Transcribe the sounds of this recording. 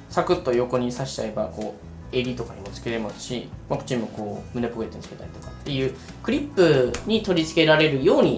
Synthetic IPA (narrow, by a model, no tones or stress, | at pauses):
sakɯ̟t̪ːo̞jo̞ko̞ɲ̟isaɕi̥t͡ɕae̞bako̞ː | e̞ɾʲit̪o̞kaɲʲimo̞t͡sɨ̥keɾe̞masɨ̥ɕḭmakɯ̟t͡ɕĩmmo̞ko̞ːmɯne̞po̞e̞t̪oɲit͡sɨ̥ke̞t̪aɾʲit̪o̞kḁt̪ːe̞jɯ̟ː | k̟ɾʲipːɯ̟ɲ̟it̪o̞ɾʲit͡sɨ̥ke̞ɾaɾe̞ɾɯ̟jo̞ːɲ̟i